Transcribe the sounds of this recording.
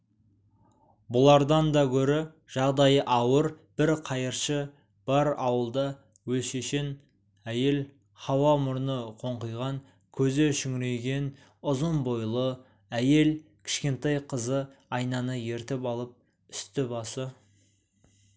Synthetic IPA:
bʊlˠɑɾd̪ɑnd̪ɑkʲʰɵɾɪ | ʒ̥ɑʁd̪ɑjəʔɑwəɾ | b̥ɪɾqʰɑjəɾʃə | b̥ɑɾɑwəlˠd̪ɑ | wɵlʃeʃen | æje̞l | χɑwɑmʊɾnəqʰo̞ɴqəjʁɑŋ | kʲʰɵzeʃʏŋɾe̞jɡʲe̞n | ʊzənbo̞jlˠə | æje̞lkʲʰɪ̥ʃkʲe̞nt̪ɑjqʰəzəɑjnɑnəje̞ɾt̪ɪpɑlˠəp̚ | ʏ̥st̪ɪbɑsə

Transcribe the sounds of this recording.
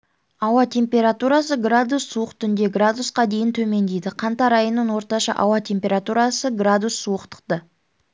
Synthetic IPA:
ɑwɑt̪ʰe̞mpʲe̞ɾat̪uɾɑsəɡrad̪usːuəqt̪ʰʏnd̪e̞ɡrad̪usqɑd̪e̞jɪnt̪ʰɵme̞nd̪ejd̪ɪqʰɑnt̪ɑɾɑjənːənwo̞ɾt̪ɑʃɑ̰ʔɑwɑt̪ʲʰe̞mpʲeɾat̪uɾɑsəɡrad̪usːuəqt̪ʰə̥qt̪ə

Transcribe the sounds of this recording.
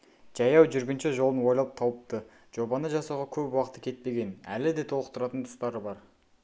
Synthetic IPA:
ʒ̥ɑjɑwʒʏɾɡʲɪnʃeʒolˠənwo̞jlɑlˠəp̚t̪ʰɑwəp̚t̪ə | ʒ̥o̞bɑnəʒɑsɑʁɑkʲʰɵpwɑqə̥t̪ə̥kʲʰe̞t̪̚pe̞ɡʲe̞næ̰lɪd̪e̞t̪ʰolˠəq̚t̪ʰʊɾɑt̪ənt̪ʰʊ̥st̪ɑɾəbɑɾ

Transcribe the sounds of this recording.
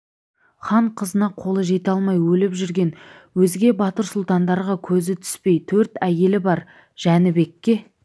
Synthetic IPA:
χɑɴqʰəzənɑqʰo̞lˠəʒe̞t̪ɑlˠmɑjwɵlɪpʒʏɾɡʲe̞n | wɵzɡʲe̞bɑt̪əɾsʊlˠt̪ɑnd̪ɑɾʁɑkʲʰɵzɪt̪ʰʏ̥spe̞jt̪ʰɵɾt̪æje̞lɪbɑɾ | ʒ̥ænɪbe̞kʲːe̞

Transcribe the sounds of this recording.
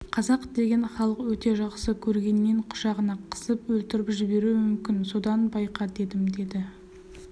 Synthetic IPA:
qʰɑzɑqd̪e̞ɡʲe̞nχɑlˠəqwɵt̪e̞ʒɑqsəkʲʰɵɾɡʲe̞nːe̞ɴqʰʊ̥ʃɑʁənɑqʰə̥səpwɵlt̪ɪɾɪpʒɪbe̞ɾumʏmkʲɪnso̞d̪ɑnbɑjqɑd̪e̞d̪ɪmd̪e̞d̪ɪ

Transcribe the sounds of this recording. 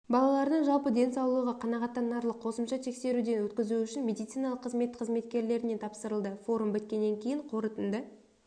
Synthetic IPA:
bɑlˠɑlˠɑɾnəɴʒɑlˠpəd̪e̞nsɑwlˠuʁɑqʰɑnɑʁɑt̪ːɑnːɑɾlˠəqʰːo̞səmʃɑt̪ʰe̞kse̞ɾud̪e̞nwɵt̪kʲɪzuʏʃɪnmʲe̞d̪ijt̪sijnɑlˠəqʰːəzme̞t̪qʰəzme̞t̪kʲe̞ɾle̞ɾɪne̞t̪ʰɑpsəɾəlˠd̪əfo̞ɾumbʏt̪̚kʲe̞nːe̞ŋkʲʰejɪɴqʰo̞ɾət̪ənd̪ə

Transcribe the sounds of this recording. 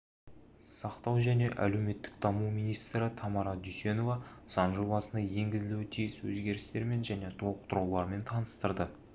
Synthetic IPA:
sɑqt̪ɑwʒæne̞ʔæ̰lewme̞t̪ːɪk̚d̪̥ɑmumijnijst̪ɾɪt̪ʰɑmɑɾɑd̪yjse̞no̞vɑsɑnʒo̞bɑsənd̪ɑje̞ŋɡʲɪzɪlewɪt̪ʰijɪswɵzɡʲe̞ɾɪst̪e̞ɾme̞nʒæne̞t̪ʰo̞lˠəqt̪ʊɾɑwlˠɑɾme̞nt̪ʰɑnəst̪əɾd̪ə

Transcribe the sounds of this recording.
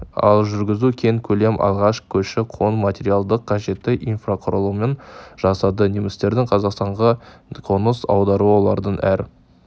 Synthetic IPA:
ɑ̰lˠʒʏɾɡʲɪzukʲʰeŋkʲʰɵle̞mʔɑ̰lˠʁɑʃkʲʰɵʃɪqʰo̞nmat̪ʲe̞ɾijalˠd̪əqʰːɑʒe̞t̪ːɪʔijnfraqʰʊɾəlˠume̞nʒ̥ɑsɑd̪ənemɪst̪e̞ɾd̪ɪŋqʰɑzɑqst̪ɑɴʁɑqʰonəsɑ̰wd̪ɑɾuəwo̞lˠɑɾd̪ənʔæɾ

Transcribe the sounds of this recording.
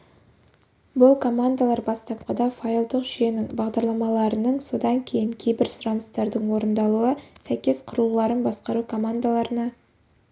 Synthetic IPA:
bʊlˠkʰo̞mand̪alˠɑɾbɑst̪ɑp̚qɑd̪ɑfajlˠd̪əqʒije̞nɪŋbɑʁd̪ɑɾlˠɑmɑlˠɑɾənəɴso̞d̪ɑŋkʲʰe̞jɪŋkʲʰe̞jbɪɾsʊɾɑnəst̪ɑɾd̪əɴwo̞ɾənd̪ɑlˠuəsæjkʲe̞sqʰʊɾəlˠlˠɑɾənbɑsqɑɾukʰo̞mand̪alˠɑɾənɑ

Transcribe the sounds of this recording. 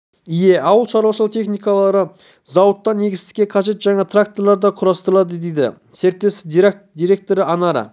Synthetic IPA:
ije̞ɑwəlˠʃɑɾɑʃəlˠt̪ʰe̞χnijkɑlˠɑɾə | zɑwət̪ːɑnːe̞ɡʲɪst̪ɪ̥kʲːeqʰɑʒe̞t̪ʒɑɴɑt̪ʰrakt̪o̞ɾlˠɑɾd̪ɑqʰʊɾɑst̪əɾəlˠɑd̪əd̪ejd̪ɪ̰ | seɾt̪ːe̞sɪzd̪id̪ijɾe̞k̚t̪o̞ɾəɑnɑɾɑ̰

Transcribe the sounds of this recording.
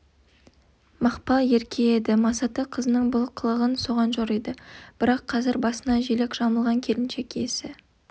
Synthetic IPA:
mɑqpɑe̞ɾkʲʰe̞ed̪ɪmɑsɑt̪əqʰəzənəɴbʊlˠqʰəlˠəʁənso̞ʁɑnʒoɾid̪ɪb̥ɪɾɑqʰːɑzɪɾbɑsənɑʒele̞kʒ̥ɑməlˠʁɑŋkʲʰelɪnʃe̞kʲesɪ

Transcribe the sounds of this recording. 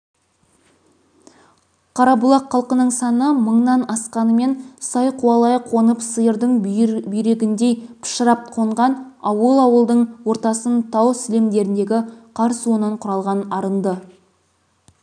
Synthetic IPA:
qʰɑɾɑbʊlˠɑqʰːɑlˠqənəɴsɑnəməɴnɑnɑsqɑnəme̞nsɑjqʰuwɑlˠɑjqʰo̞nəpsəjəɾd̪əɴbʏjɾe̞ɡʲɪnd̪e̞pʰɪ̥ʃəɾɑp̚qʰoɴʁɑnɑwəlˠɑwəlˠd̪əɴwo̞ɾt̪ɑsənt̪ʰɑwsɪlemd̪e̞ɾɪnd̪e̞ɡʲɪqʰɑɾswonɑɴqʰʊɾɑlˠʁɑnɑɾənd̪ə

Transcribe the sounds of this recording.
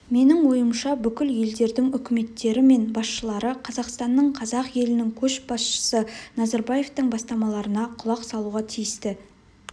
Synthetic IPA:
me̞nɪŋwo̞jəmʃɑbʏkʲɪlje̞ld̪e̞ɾd̪ɪŋʏkʲɪme̞t̪ːe̞ɾɪme̞nbɑsʃəlˠɑɾəqʰɑzɑqst̪ɑnːəɴqʰɑzɑqje̞lɪnɪŋkʲʰɵʃb̥ɑsʃə̥sənɑzɑɾbaje̞ft̪əŋbɑst̪ɑmɑlˠɑɾənɑqʰʊlˠɑqsɑlˠuʁɑt̪ʰijɪst̪ɪ

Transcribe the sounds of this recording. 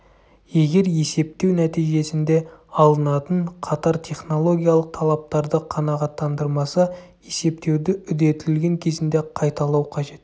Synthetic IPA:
je̞ɡʲe̞ɾje̞se̞p̚t̪e̞wnæt̪ijʒe̞sɪnd̪e̞ɑlˠənɑt̪əɴqʰɑt̪ɑɾt̪ʲʰe̞χno̞lˠo̞ɡʲijɑlˠəq̚t̪ʰɑlˠɑp̚t̪ɑɾd̪əqʰɑnɑʁɑt̪ːɑnd̪əɾmɑsɑ | je̞se̞p̚t̪e̞wd̪ɪʏd̪e̞t̪ɪllɡʲe̞ŋkʲʰe̞zɪnd̪e̞qʰɑjt̪ɑlˠɑwqʰɑʒe̞t̪

